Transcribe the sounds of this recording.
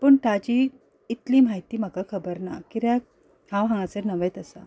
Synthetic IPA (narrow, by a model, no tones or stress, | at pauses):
pəɳʈat͡ɕiː | t̪liːm̤aɦjt̪iːm̤əkakʰəbəɾna̰kiɾjak̚ | hãwɦãŋɡat͡səɾnəʋet̪əsa